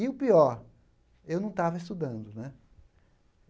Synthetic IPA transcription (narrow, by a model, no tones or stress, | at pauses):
iʊpiɔɾ | ewnɐ̃w̃t̪avɐɪst̪ud̪ɐ̃nd̪ʊnɛ